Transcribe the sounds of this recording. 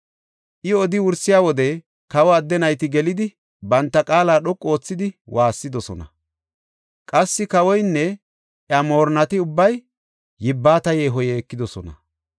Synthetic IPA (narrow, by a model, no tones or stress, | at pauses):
ʔɪɔd̪ɪwʊɾsːɪjaːwɔd̪ɛ | kɐwɔɐd̪ːɛnɐjt̪ɪɡɛlɪd̪ɪ | bɐnt̪ːɐkʼaːlaːɗɔkʼːo̞ːt͡sːɪd̪ɪwʔaːsːɪd̪ɔsɔnɐ̰ | kʼɐsːɪkɐwɔjnːɛ | ʔjɐmo̞ːɾnɐt̪ɪʊbːɐjː | ɪbːaːt̪ɐjeːɦɔjɛːkːɪd̪ɔsɔnɐ̰